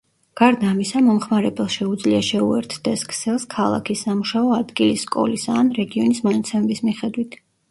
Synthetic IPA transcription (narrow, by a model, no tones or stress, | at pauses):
ɡ̥aɾd̪aːmisamɔmχmaɾɛbɛlˠʃɛud̪zliaʃɛuɛ̰ɾt̪ʰd̪̥ɛskʰsɛlˠskʰalˠa̰kʰisamuʃaɔad̪ɡilisːkʼɔ̰lisanɾɛɡiɔnismanat̪sʰɛmɛbismiχɛd̪wit̪ʰ